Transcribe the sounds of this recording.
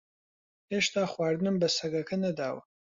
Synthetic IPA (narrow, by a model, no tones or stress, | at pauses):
heːʃt̪ʰaːχwaːɾd̪ɨnɨmbɐsɐɡɐkʰɐnɐd̪aːw̰